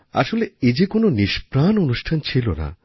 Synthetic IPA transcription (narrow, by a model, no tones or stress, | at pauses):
a̰ʃoleed͡ʑekononiʃpɾanonuʃʈʰant͡ɕʰilona̰